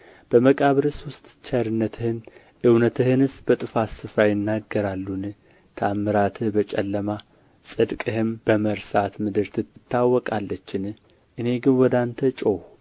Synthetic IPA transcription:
b̥əməkʼaβɾɨsʊst̪ʼt͡ʃʰaɾɨnːət̪ʰɨhɨn | ʔɨwnət̪ʰɨhɨnɨsbət̪ʼɨfasɨfɾajɪnːaɡːəɾalːun | t̪ʰamːɨɾat̪ʰɨhbət͡ʃʼɛlːəma | sʼɨd̪kʼɨhɨmbəməɾsat̪mɨd̪ɨɾt̪ʰɨɨt̪ːawːɔkʼalːət͡ʃːɪn | ʔɨne̞ɡɨnwɔd̪ant̪ʰət͡ʃʼow

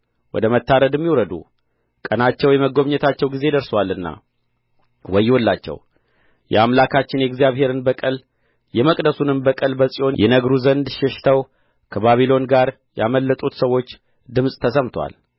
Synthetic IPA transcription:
wɔ̰d̪əmət̪ːaɾəd̪ɛmːiwɾəd̪ṵ | kʼənat͡ʃːɛwjɛməɡo̞βɲɛt̪ʰat͡ʃːɛwɡize̞d̪əɾswalːɨnːa̰ | wɔjːwɔlːat͡ʃːɛ̰w | jɛ̰amlakʰat͡ʃːɪnjɛɡzijaβhe̞ɾɨnbəkʼəl | jɛməkʼd̪əsunɨnbəkʼəlbəsʼio̞njɛnəɡɾuzənd̪ʃɛʃt̪ʰəw | kʰəβaβilo̞nɡaɾ | jaməlːət̪ʼut̪səwːo̞t͡ʃː | d̪ɨmsʼt̪ʰəsəmt̪ʰwa̰l

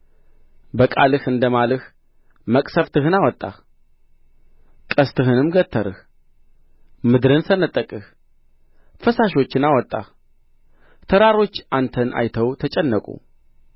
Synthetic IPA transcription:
bəkʼalɨhɨnd̪əmalɨh | məkʼsəft̪ʰɨhɨnawɔt̪ʼːa̰h | kʼəst̪ʰɨhɨnɨmɡət̪ʰːəɾɨh | mɨd̪ɾɨnsənət̪ʼːəkʼɨh | fəsaʃo̞t͡ʃːɪnawɔt̪ʼːa̰h | t̪ʰəɾaɾo̞t͡ʃːant̪ʰənʔa̰jt̪ʰəwt̪ʰət͡ʃʼɛnːəkʼṵ

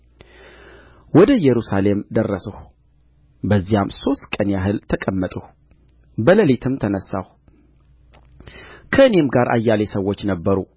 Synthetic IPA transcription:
wɔd̪əjɛɾusale̞md̪ərːəsəhu | bəzːijamso̞st̪kʼənjaɦɨlt̪ʰəkʼəmːət̪ʼuh | bələlet̪ʰɨmt̪ʰənəsːa̰h | kʰəɨne̞mɡaɾʔa̰jːalesəwːo̞t͡ʃːnəbːəɾu

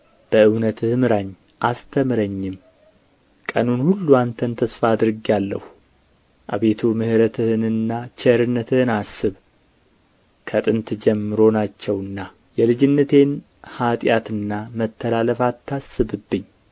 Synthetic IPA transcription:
b̥əɨwnət̪ʰɨhmɨɾaɲː | ʔast̪ʰəmɨɾəɲːɪm | kʼənunhulːuant̪ʰənt̪ʰəsfaːd̪ɾɨɡjalːəhu | ʔa̰βe̞t̪ʰumɨhɨɾət̪ʰɨhɨnɨnːat͡ʃʰɛɾɨnːət̪ʰɨhɨnasːɨβ | kʰət̪ʼɨnt̪d͡ʒɛmːɨɾo̞nat͡ʃːɛwɨnːa | jɛlɨd͡ʒɪnːət̪ʰe̞n | hat̪ʼjat̪ɨnːamət̪ʰːəlaləfat̪ʰːasːɨβɨbːɨɲː

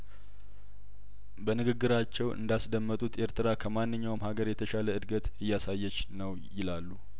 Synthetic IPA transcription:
bənɨɡɨɡːɨɾat͡ʃːɛwʔɨ̰nd̪asd̪əmːət̪ʼut̪e̞ɾt̪ʰɨɾakʰəmanːɨɲːawmhaɡəɾjɛt̪ʰəʃaləɨd̪ɡət̪ɨjːasajːɛt͡ʃnəwjɪlalːu

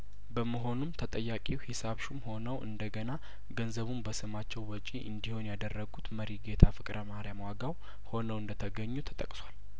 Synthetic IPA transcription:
bəməɦo̞numt̪ʰət̪ʼəjːakʼihisaβʃumho̞nəwʔɨ̰nd̪əɡəna | ɡənzəβumbəsɨmat͡ʃːɛwːɔt͡ʃʼiʔɨ̰nd̪ihunjad̪ərːəɡut̪məɾiɡe̞t̪ʰafɨkʼɾʔəmahɾjamwaɡaw | ho̞nəwɨnd̪ət̪ʰəɡəɲːut̪ʰə̥t̪ʼə̰kʼsʷal

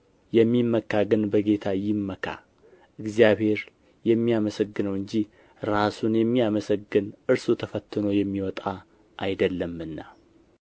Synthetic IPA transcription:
jɛmːimːəkːaɡɨnbəɡe̞t̪ʰajɪmːəkʰa̰ | ʔɨɡzijaβhe̞ɾ | jɛmːiaməsəɡːɨnəwɨɲd͡ʒi | ɾasunjɛmːiaməsəɡːɨnɨɾsot̪ʰəfət̪ːɨno̞jɛmːiwɔt̪ʼa | ʔajd̪əlːəmɨnːa

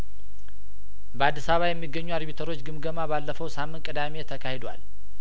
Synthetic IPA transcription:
bəad̪ːisaβajɛmːiɡːəɲːuad̪bit̪ʰəɾo̞t͡ʃːɡɨmɡəmabalːəfəwsamːɨnt̪kʼɨd̪ame̞t̪ʰəkʰahe̞d̪wa̰l

